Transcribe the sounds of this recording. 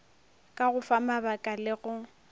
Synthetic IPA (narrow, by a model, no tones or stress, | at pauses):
kʼaɣʊfamabakʼalɪɣʊ